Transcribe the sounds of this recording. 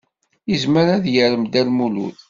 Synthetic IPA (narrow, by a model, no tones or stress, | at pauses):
izməɾæðjəɾəmd̪ælmulṵθ